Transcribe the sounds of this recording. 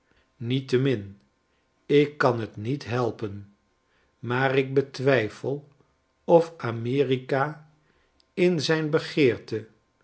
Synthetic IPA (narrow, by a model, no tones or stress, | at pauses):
nitəmɪn | ɪkːɑnɦətnitɦɛlˠpən | maːrɪɡ̚bətʋɛjfəlˠ | ɔfamɪːrika | ɪnzɛjnbəχɪːɹtə